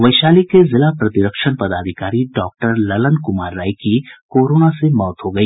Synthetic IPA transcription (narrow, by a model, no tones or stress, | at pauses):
ʋɐɪʃaːlikezɪlapɾɐt̪iɾəkʃənpɐd̪aːd̪ʱɪkaːɾiɖɔːk̚ʈəɾlɐlənkʊmaːɾːaːikikoːɾoːnasemɔːt̪ɦoɡɐiː